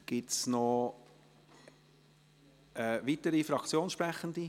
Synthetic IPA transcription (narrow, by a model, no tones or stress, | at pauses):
ɡ̥ɪtsnɔ | ɛʋitəɾifɾɑkt͡sjoːnʃpɾæχənd̪i